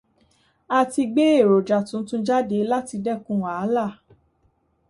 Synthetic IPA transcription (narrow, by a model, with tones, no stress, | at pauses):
a˧ti˧ɡ͡be˦e˦˨ɾo˨d͡ʒa˨tũ˨˦tũ˦d͡ʒa˦de˨˦la˦ti˧dɛ˦˨kũ˦wa˨˦la˦˨